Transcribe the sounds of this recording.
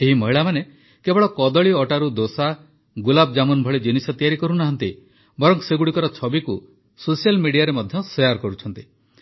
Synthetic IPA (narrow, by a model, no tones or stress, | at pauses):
eɦimɔɦiɭamane | kebɔɭɔkɔd̪ɔɭiɔʈaɾud̪osa | ɡulab̚d͡ʒamunbʱɔɭid͡ʒinisɔt̪ijaɾikɔɾunaɦɔnt̪i | bɔɾɔŋseɡuɽikɔɾɔt͡ʃʰɔbiku | sosijalmiɽijaɾemɔd̪ʱjɔsejaɾkɔɾut͡ʃʰɔnt̪i